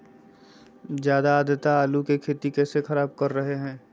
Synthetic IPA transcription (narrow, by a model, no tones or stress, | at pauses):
zjaːd̪aːd̪ət̪aaːlukekʰeːt̪ikɛːsexɐɾaːb̚kɐɾːɐɦeɦɛ̃ː